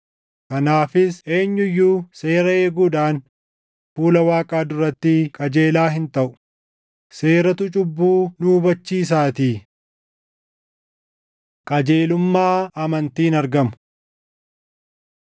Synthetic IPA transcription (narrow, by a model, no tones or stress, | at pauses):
kɐnaːfɪse̞ːɲːʊjːuːse̞ːɾɐe̞ːɡuːᶑaːn | fuːlɐwaːkʼaːd̪ʊɾɐt̪ːɪkʼɐd͡ʒe̞ːlaːɦɪnt̪ɐʔʊ̥ | se̞ːɾɐt̪ʊt͡ʃʼʊbːuːnuːbɐt͡ʃːiːs̬aːt̪iː | kʼɐd͡ʒeːlʊmːaːɐmɐnt̪iːnɐɾɡɐmʊ̥